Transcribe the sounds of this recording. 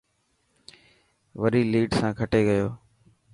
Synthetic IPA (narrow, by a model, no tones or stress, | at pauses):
ʋəɾiːliːɖsãːkʰəʈeːɠəjoː